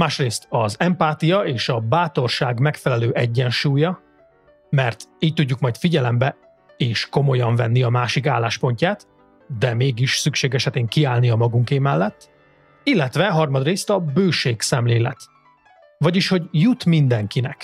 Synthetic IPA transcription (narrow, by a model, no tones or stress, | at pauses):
maːʃreːst̪ɒzɛmpaːt̪ijɒeːʃɒbaːt̪o̞rʃaːɡmɛkfɛlɛløːʔɛɟːɛnʃuːjɒ | mɛrt̪iːc̚t̪uɟːukmɒjt̪fiɟɛlɛmbɛ | eːʃko̞mo̞jɒɱvɛnːiɒmaːʃikaːlːaːʃpo̞ɲcaːt̪ | d̪ɛmeːɡiʃsykʃeːɡɛʃɛt̪eːŋkiaːlniɒmɒɡuŋkeːmɛlːɛt̪ː | ilːɛt̪ʋɛɦɒrmɒd̪reːst̪ɒbøːʃeːksɛmleːlɛ̰t̪ | vɒɟiʃho̞ɟjut̪mind̪ɛŋkinɛk